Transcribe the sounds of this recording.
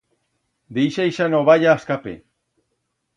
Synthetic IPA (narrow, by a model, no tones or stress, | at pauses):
d̪ejʃaiʃanoβaʎaːskapḛ